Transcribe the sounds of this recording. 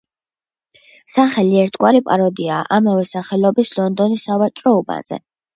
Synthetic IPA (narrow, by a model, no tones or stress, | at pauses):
saχɛliɛɾt̪ʰɡʼwaɾipʼaɾɔd̪iaːʔamavɛsaχɛlɔbislɔnd̪ɔnisavat͡ʃʼɾɔɔba̰z̥ɛ̰